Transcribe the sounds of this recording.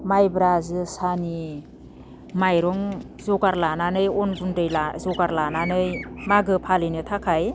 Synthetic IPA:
majbɾazɯsani | majɾɔŋ | zɔɡaɾlananɯjɔnbundɯjlazɔɡaɾlananɯjmaɡɯpʰalɯjnɯtʰakʰaj

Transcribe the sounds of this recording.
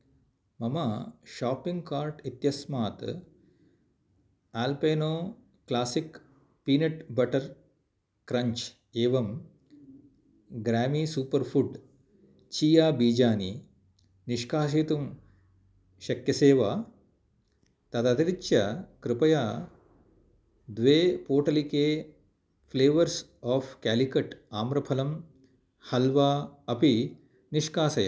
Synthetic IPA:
mɐmɐʃaːpːiŋɡkaːɾʈit̪jɐsmaːt̪ | aːlpeːnoː | klaːsik | piːneʈbɐʈɐɾ | kɾɐɲt͡ʃ | eːʋɐm | ɡɾaːmiːsuːpɐɾfʰuɖ | t͡ʃiːjaːbiːd͡ʒaːni | niʂkaːʃ̬eːt̪um | ʃɐkjɐseːʋaː | t̪ɐt̪ɐt̪iɾit͡ʃːɐkɾɪpɐjaː | d̪ʋeːpoːʈɐlikeː | pʰleːʋɐɾsaːfkæːlikɐʈaːmɾɐpʰɐlɐm | hɐlʋaːɐpi | niʂkaːsɐjɐ̰

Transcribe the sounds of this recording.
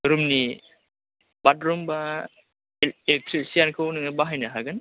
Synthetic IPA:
ɾumni | batɾumba | ilek̚tʰɾisijankʰɯwnɯŋabaɦajnaɦaɡɯn

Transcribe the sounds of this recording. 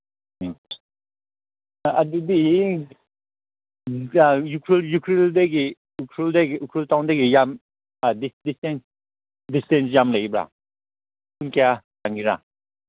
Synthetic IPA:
adudi | jukʰɾiljukʰɾildeɡi | ukʰɾildeɡiukʰɾiltawndeɡijam | adisdistens | distens̬jamlaɡibɾa̰ | punkʰejataŋɡiɾa̰

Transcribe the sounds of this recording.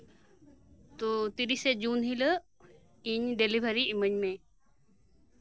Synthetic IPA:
t̪ut̪iɾised͡ʒuːnɦilə | iɲɖelibʱəɾiiməɲme

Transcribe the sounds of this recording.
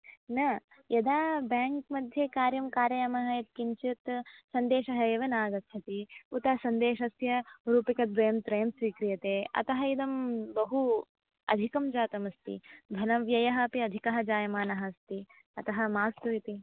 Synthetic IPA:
nɐ | jɐd̪aːbaːŋk̚mɐd̪ʱjekaːɾjɐmkaːɾjɐjɐmɐɦɐɐt̪̚kiɲt͡ʃit̪sɐnd̪eːʃɐɦɐeːʋɐnaːɡɐt̪ːʃʰɐt̪iut̪ɐsɐnd̪eːʃɐsjɐɾuːpikɐt̪̚bɾɐjɐmt̪ɾɐjɐmsʋiːkɾijɐt̪eːɐ̰t̪ɐɦɐid̪ɐmbɐɦu | ɐ̰d̪ʱikɐmd͡ʒaːt̪ɐmɐst̪ḭb̪ʱɐnɐʋjɐjɐɦɐːpiɐd̪ʱikɐɦɐd͡ʒaːjɐmaːnɐɦɐst̪i | ɐt̪ɐɦɐmaːst̪ɐʋit̪i

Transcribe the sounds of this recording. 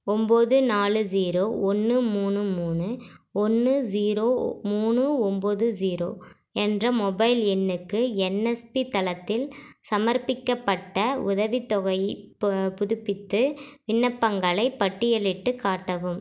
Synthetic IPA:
ɔmboːðɯnaːlɯd͡ʒiːɾoːʔɔnːɯmuːnɯmuːnɯɔnːɯd͡ʒiːɾoːmuːnɯɔmboðɯd͡ʒiːɾoː | ɛndrɐmɔbɐɪlɛnːɯkːɯɛnɛspit̪ɐlɐt̪ːɪlsɐmɐɾpɪkːɐpːɐʈːɐʊðɐʋɪt̪ːɔɣɐɪ | pʊðʊpːɪt̪ːɯʋɪnːɐpːɐŋɡɐɭɐɪpːɐʈːɪjɛlɪʈːɯkːaːʈːɐʋɯm

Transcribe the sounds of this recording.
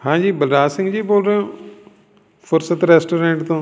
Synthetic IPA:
hãːd͡ʒiːbəlɾaːsɪ̃ŋɡd͡ʑiːboːlɾəjõː | fʊɾsət̪ɾeːsʈoːɾẽːɳʈt̪õː

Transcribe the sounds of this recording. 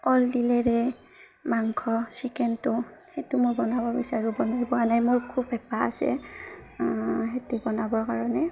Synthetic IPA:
ɔldilɛɹɛ | maŋkʰɔsikɛntʊhetʊmʊɹbɔnabɔɹbisaɹubɔnajbɔanajmoɹkʰubɛpaa̰sɛ̰ | xetubɔnabɔɹkaɹɔnɛ

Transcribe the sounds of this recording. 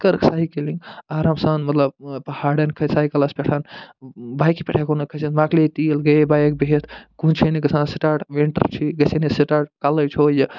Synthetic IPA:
kɐɾksaːɦikelĩŋɡaːɾamsaːnmɐt̪lɐb̚pɐhaːɖɐnkʰɐsaːɦikɐlɐspʲeʈʰanbaːjkipʲɛʈʰekonɐkʰɐsenmaːklet̪ilɡɐbaːjek̚biɦet̪ʰkũnt͡ʃʰenikɐsãːnsiʈaːʈʋeɳʈə̰ɾt͡ʃʰiɡɐsenesiʈaːʈ̚kalɐjt͡ʃʰoːjɐ

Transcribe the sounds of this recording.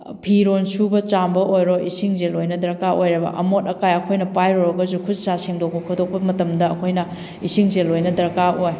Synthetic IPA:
pʰiɾonsubɐt͡ʃambɐojɾoʔisiŋzelojnɐdɐɾɐkaʔojɾɐbɐ̰ʔɐmotɐkajɐkʰojnɐpajɾoɾoɡɐzukʰud͡ʒsaseŋdok̚pɐkʰudok̚pɐmɐtɐmdɐːkʰojnɐ | isiŋzelojnɐdɐɾɐkaʔoj

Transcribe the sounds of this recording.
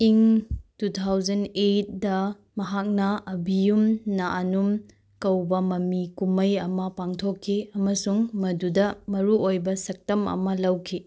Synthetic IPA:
iŋtutʰawzɐnet̚dɐ | mɐɦak̚nɐɐbijumnaʔanum | kɐwbɐmɐmikumɐjɐmɐpaŋtʰokʰːiɐmɐsuŋmɐdudɐmɐɾuojbɐsɐk̚tɐmɐ̰mɐlɐwkʰi

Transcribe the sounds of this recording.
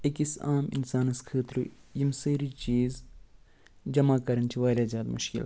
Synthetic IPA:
ekisaːmḭnsaːnɨskʰəːt̪ɾṵjimsəːɾit͡ʃiːz | d͡ʒɐmaːkɐɾɐnt͡ʃʰiʋaːɾʲaːzjaːd̪mṵʃkḭl

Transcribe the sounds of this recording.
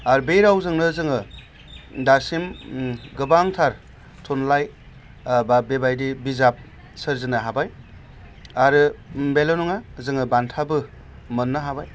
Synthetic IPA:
aɾɯbejɾawzɯŋnɯzɯŋɯ | daɾsimɡɯbaŋtʰaɾ | tʰonlaj | babebajdibizap̚ | sɯɾzɯnɯɦabaj | aɾɯbelonɔŋazɯŋɯbantʰabɯ | mɯnːɯɦabaj

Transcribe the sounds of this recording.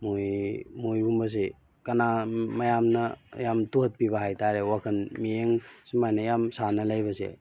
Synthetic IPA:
mojmojbumbɐs̬e | kɐnamɐjamnɐjamtuɦt̚pibaɦajtaɾewakʰɐnmieŋsimajnɐjamsanɐlajbɐsḛ

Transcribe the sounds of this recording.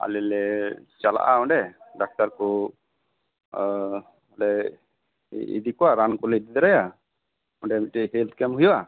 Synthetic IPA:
a̰lɛlɛt͡ʃala̰ʔaɔɳɖɛɖak̚t̪aɾkɔ | ɔlɛ | ḭd̪ikɔaɾankɔlɛd̪id̪ɛɾaja | ɔɳɖɛmitiɦelt̪kɛmɦujɔa

